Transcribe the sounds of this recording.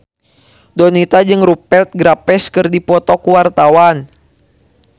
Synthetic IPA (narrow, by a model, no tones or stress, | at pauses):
dɔnit̪ad͡ʒɨŋrupɛlt̪̚ɡɾapɛskɨrdipɔt̪ɔkuwart̪awan